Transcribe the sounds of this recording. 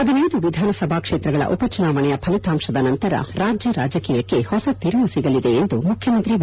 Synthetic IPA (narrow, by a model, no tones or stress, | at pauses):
ɐd̪ɐneːd̪uʋid̪ʱaːnɐsɐbʱaːkʂeːt̪ɾɐɡɐɭɐ̰ʔupɐt͡ʃunaːʋɐɳɛjɐpʰɐlit̪aːmʂɐd̪ɐnɐnt̪ɐɾɐ̰ɾaːd͡ʒjɐɾaːd͡ʒɐkiːjɐkːe̞hɔsɐt̪iɾmusiɡɐlid̪eːnd̪umukʰjɐmɐnt̪ɾi